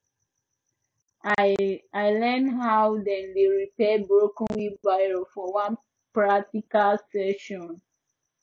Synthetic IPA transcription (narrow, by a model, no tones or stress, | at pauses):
aɪlɛnɦawdɛ̃ndeɹipɛbɹokɔ̃nwibaɪɹofɔwãn | pɹak̚tikalsɛʃɔ̃n